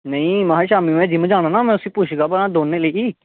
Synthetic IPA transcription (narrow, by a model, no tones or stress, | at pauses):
nəĩːmaɦaːʃaːmiːmɛ̃ːd͡ʒɪmd͡ʒaːɽ̃aːnaːmɛ̃ːʊsiːpʊt͡ʃʰɡaːbəãːd̪oːneːləiːiː